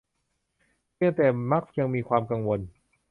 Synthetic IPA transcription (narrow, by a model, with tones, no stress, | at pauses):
pɯ˥˩əŋt̪ɛː˨˩ma˦˥k̚ja˧ŋmiː˧kʰwaː˧mka˧ŋwo˧n